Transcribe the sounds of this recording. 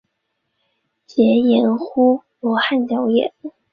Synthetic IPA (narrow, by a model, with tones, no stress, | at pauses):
t͡ɕjɛ˧˥jɛ˧˥nxu˥lɔ˧˥xa˥˩nt̪jɑ˧˥ʊjɛ̰˨˩˦n